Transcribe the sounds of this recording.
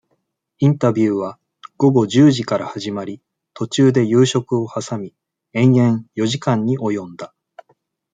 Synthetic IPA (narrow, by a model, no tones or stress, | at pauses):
ĩnt̪abʲjɯːβa | ɡ̥o̞ɡo̞ʑɨːʑikaɾahaʑimaɾʲi | t̪o̞t͡ɕɨːd̪e̞jɯːɕo̞kɯ̟o̞hasamʲi | ẽ̞ɰ̃ẽ̞ɰ̃jo̞ʑikãɲ̟ːiʔo̞jõ̞nd̪a